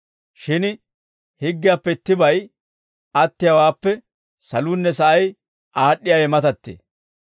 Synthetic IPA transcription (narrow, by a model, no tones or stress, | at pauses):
ʃɪn | hɪɡːɪjaːpːɛɪt̪ːɪbɐj | ʔɐt̪ːɪjɐwaːpːɛ | sɐluːnːɛsɐʔɐj | ʔaːɗːɪjaːjɛmɐt̪ɐt̪ːḛː